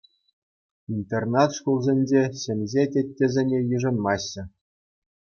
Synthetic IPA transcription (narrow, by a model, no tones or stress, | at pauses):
int̪ernɑt̪ʂkulˠzʲenʲd͡ʑeɕĕmʲzʲetʲĕtʲːezʲenʲejɯʐɤ̆nmɑɕːɘ̆